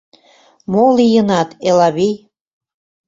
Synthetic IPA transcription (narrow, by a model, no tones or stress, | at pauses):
molijənɑt̪elɑβij